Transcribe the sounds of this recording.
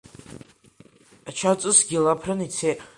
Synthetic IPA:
at͡ʃʰat͡sʼɨsɡʲilapʰrɨnit͡sʰe

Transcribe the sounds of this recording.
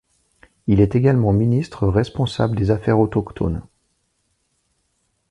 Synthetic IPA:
ilɛt̪eɡalmɑ̃minist̪χəʁɛspɔ̃sa̰bləd̪ezafɛʁot̪ɔkt̪ʰɔ̰n

